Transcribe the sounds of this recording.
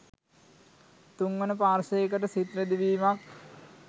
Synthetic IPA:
t̪uŋʋənəpaːɾʃəjek̬əʈəsit̪ɾed̪iʋiːmak

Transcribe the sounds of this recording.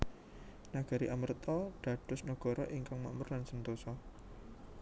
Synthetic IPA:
naɡ̥a̤ɾiʔamərt̪ɔɖ̥ä̤ɖ̥ʊsnəɡ̥ɔ̤ɾɔʔiŋkaŋma̰ʔmərlansənt̪osɔ

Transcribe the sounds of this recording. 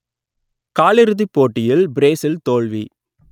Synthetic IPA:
kaːɭɪɾɯðipːoːʈːɪjɪlbɾeːsɪlt̪oːɭʋḭ

